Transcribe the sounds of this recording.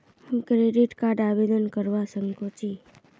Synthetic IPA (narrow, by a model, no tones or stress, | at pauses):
ũkɾeɖiʈkaɾɖabed̪ənkəɾʋasəŋkot͡ʃi